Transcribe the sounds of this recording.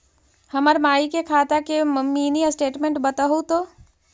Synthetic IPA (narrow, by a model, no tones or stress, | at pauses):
hɐməɾmaːikekʰaːt̪akemɐmːiːniasʈeːʈmẽɳʈbɐt̪aɦut̪oː